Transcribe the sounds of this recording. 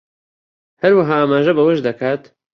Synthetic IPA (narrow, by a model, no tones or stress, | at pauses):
hɐɾwɐɦaːaːmaːʒɐbɐwɐʃd̪ɐkʰaːt̪